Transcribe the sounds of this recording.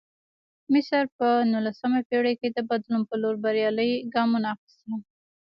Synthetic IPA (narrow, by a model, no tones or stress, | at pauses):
mɪsaɾpənulasəmapeɽəked̪əbad̪lumpəloɾbaɾjɑləjɡɑmunaːxɪ̥st̪a